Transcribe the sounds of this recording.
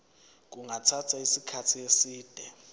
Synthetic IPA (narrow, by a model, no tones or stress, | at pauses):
k̬uŋʱatʰatʰaisikʰatʰiesiːd̥ʱɛ